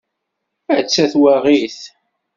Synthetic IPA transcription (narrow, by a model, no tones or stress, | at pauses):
æt͡sːæθwaʁiθ